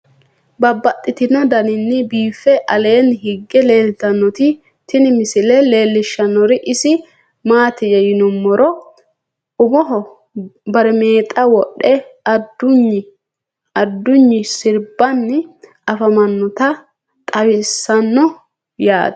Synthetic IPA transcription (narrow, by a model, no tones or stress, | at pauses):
bɐbːɐt̪ʼːɪt̪ɪnɐd̪ɐnɪnːɪbiːfɛʔɐle̞ːnɦɪɡːɛle̞ːlt̪ɐnːɔt̪ɪ | t̪ɪnɪmɪsɪlɛle̞ːlːɪʃːɐnːɔɾɪʔɪsɪ | maːt̪ɪjɛjɪnɔmːɔɾɔ | ʊbɔɦɔ | bɐɾɛme̞ːt̪ʼɐwɔɗɛɐd̪ːʊɲːɪ | ɐd̪ːʊɲːɪsɪɾbɐnːɪ | ɐfɐmɐnːɔt̪ɐ | t̪ʼɐwɪsːɐnːɔ | ja̰ːd̪